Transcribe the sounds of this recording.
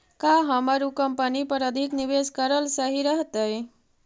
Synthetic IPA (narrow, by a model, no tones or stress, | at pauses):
kaɦəmaɾukəmpənipəɾəd̪ʱikniʋeskəɾəlsəɦiɾəɦt̪əj